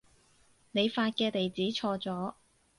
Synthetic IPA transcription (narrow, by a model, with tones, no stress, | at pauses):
ne˨˧jfaː˧t̚kɛː˧t̪e˨jt͡siː˨˥t͡ʃʰɔː˧t͡sɔː˨˥